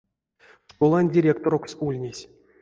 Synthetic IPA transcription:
ʂkolˠanʲdʲiɾʲekt̪oɾoksulʲnʲesʲ

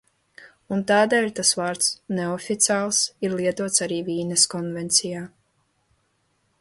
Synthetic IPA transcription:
unt̪aːd̪ɛːlʲt̪asvaːɾt̪sneɔfʲit̪sʲaːlˠsiɾlˠiɛt̪uɔt̪saɾiːviːneskɔnvɛnt̪sijaː

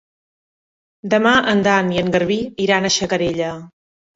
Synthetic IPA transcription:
d̪əmaʔənd̪aniəŋɡəɾβiiɾanəʃəkəɾeʎə

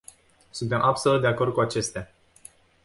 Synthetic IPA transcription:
sunt̪e̞mʔabsolut̪d̪eako̞rd̪̚kuat͡ʃe̞st̪ea

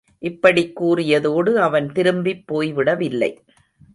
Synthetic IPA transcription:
ʔɪpːɐɽɪkːuːrɪjɐðoːɽɯɐʋɐnt̪ɪɾɯmbɪpːoːjʋɪɽɐʋɪlːɐ̰ɪ

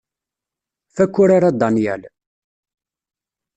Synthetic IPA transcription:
fækʷːʊɾaɾad̪ɑnjæ̰l

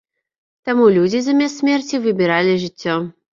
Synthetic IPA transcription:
t̪amulʲud͡zʲizɐmʲɛsʲsʲmʲɛrt͡sʲivɨbʲɪɾalʲiʐɨt͡sʲːɔ

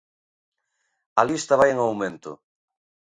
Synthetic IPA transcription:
ɐlist̪ɐβajeŋawmẽnt̪ʊ̰

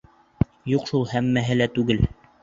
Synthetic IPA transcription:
juqʃulˠhæmːæɦɘlæt̪ʉɡɘl

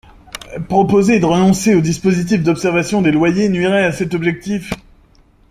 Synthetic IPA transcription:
pχɔpozed̪əʁənɔ̃seod̪ispozit̪̬ifd̪ɔpsɛʁvasjɔ̃d̪elwajenɥiʁɛasɛt̪ɔbʒɛk̚t̪if

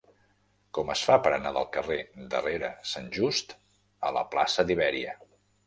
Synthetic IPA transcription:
kɔməsfapəɾənaðəlˠkəred̪ə̰reɾəsanʲʒust̪ | ələ̰pla̰sədiβɛɾiə

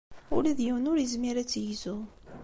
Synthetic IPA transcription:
ʊlæðjəwnʊɾəzmiɾæt͡sːjizʊ

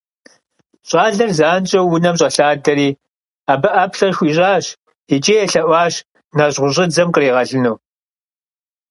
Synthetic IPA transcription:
ɕʼɑːɮɐrzaːnt͡ʃʼɐwwːʊnɐmɕʼɐɬaːdɐɾiː | aːbɐʔɐpɬɐrxʷiːɕʼaːɕ | it͡ʃʼeːjɛɬɐʔʷɑːɕ | naʑʁʷʊʑʼɪd͡zɐmqəreːʁɐɮɨnuː

